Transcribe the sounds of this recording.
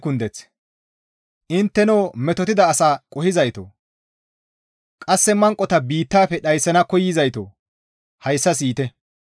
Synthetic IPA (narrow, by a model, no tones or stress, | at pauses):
kʊnd̪ɛt͡s | ʔɪnt̪ːɛnoːmɛt̪ɔt̪ɪd̪ɐːsaːkʼɔhɪzɐjt̪o̰ | kʼɐsːɛmɐŋkʼːɔt̪ɐbiːt̪ːaːpɛɗɐjsːɐnɐkɔjːɪzɐjt̪o̰ː | hɐjsːɐsiːt̪ɛ